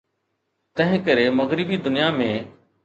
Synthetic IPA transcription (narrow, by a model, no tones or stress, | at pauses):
t̪ɐ̃ɦɪ̃kəɾemɐɣɾɪbid̪ʊnijamẽː